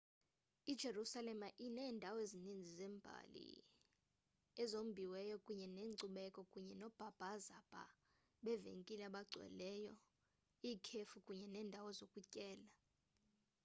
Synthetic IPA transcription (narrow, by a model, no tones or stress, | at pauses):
id̥ʒ̥ʱerusalɛmaʔinɛːndʱawezinind͡zʱizɛːmbʱa̰lḭ | ɛzom̩bʱiwɛjɔkʼuɲɛneːŋ͡ǀuɓɛkʼɔkʼuɲɛnɔb̥ʱab̥ʱazab̥ʱa̰ | ɓɛvḛŋkʼilaɓaɡ͡ǀʱwɛ̰lɛjɔ | iːkʰefukʼuɲɛnɛːndʱawɔzokʼucʼɛːla